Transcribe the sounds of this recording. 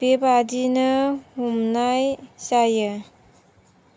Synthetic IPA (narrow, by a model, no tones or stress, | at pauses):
b̥ebadinɯhumnajsajɯ